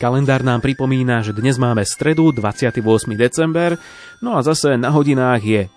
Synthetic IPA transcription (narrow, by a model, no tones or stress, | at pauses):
kalɛnd̪aːɾnaːmpɾipɔmiːnaʒɛd̪ɲɛzmaːmɛst̪ɾɛd̪ud̪ʋat͡sɪat̪iʋʊɔsmid̪ɛt͡sɛmbɛɾ | nɔazasɛnaɦɔɟinaːɣjɛ